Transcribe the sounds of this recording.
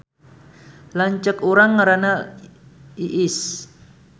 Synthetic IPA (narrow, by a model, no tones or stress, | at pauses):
laɲt͡ʃəkuɾaŋːaɾana | iʔɪs